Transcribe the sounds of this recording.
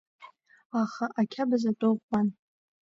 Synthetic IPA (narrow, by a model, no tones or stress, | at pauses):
aχaʔakʲʰabazatʼoʁʷan